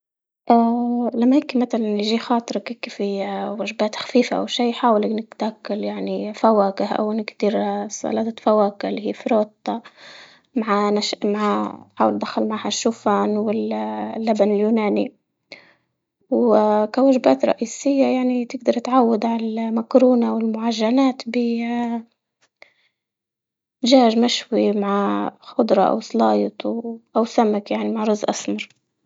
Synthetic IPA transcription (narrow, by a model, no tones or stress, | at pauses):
ʔalamːajɪkimat̪alanjʒiːxɑːt̪ˤɨɾˤɑkɪkːifiwaʒbaːt̪xḁfiːfa̰ʔa̰wʃiːħaːwalaknɪkt̪akːaljaʕnifawaːkɪhʔa̰wɪnkt̪iːɾsˤɑ̰laːt̪fawaːkɪlihḭːfɾoːt̪ˤːɑ | maʕanaʃmaʕaħaːwɪld̪axalmʕaʕːhaʃːuːfaːnwɪllːabanɪljuːnaːni | wkawaʒɪbaːt̪ɾˤɑ̰ʔiːsɪjːajaʕnit̪ɪɡ̚d̪ɑɾˤt̪ʕawːad̪ʕaamakɾuːnawɪlmʊʕaʒːanaːt̪bɪ | ʒaːʒmaʃwimaʕaxʊd̪ɾˤɑ̰ʔa̰wslɑːjɪt̪ˤuʔawsamakjaʕnimaʕɾʊzːʔasmɑɾˤ